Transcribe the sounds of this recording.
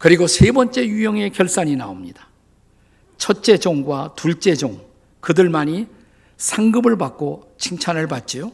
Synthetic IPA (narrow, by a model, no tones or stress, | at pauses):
kɯɾiɡosʰe̞bʌnt͡ɕ͈e̞jujʌŋe̞kjʌɭs͈aɲinaomɲid̥ḁ | t͡ɕʰʌt̚t͡ɕ͈e̞d͡ʑoŋɡwatuɭt͡ɕ͈e̞d͡ʑoŋ | kɯdɯɭmaɲi | sʰaŋɡɯbɯɭpak͈̚o | t͡ɕʰiŋt͡ɕʰanɯɭpat̚t͡ɕ͈ijo